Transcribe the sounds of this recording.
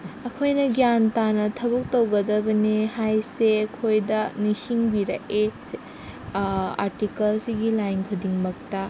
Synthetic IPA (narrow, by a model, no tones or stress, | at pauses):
ɐkʰojnɐɡjantanɐtʰɐbɐk̚towɡɐdɐbɐnehajsekʰojdɐnisiŋbiɾɐʔe | a̰ɾtikɐlsiɡilajnkʰudiŋmɐk̚tɐ